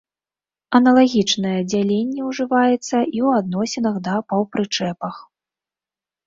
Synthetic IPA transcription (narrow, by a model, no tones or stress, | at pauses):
ɐnɐlˠaɣʲit͡ʂnɐjɛd͡zʲalʲenʲːɛwʐɨvajɛt̪sːɐʔiwad̪nɔsʲinɐxd̪ɐpɐwpɾɨt͡ʂɛpɐx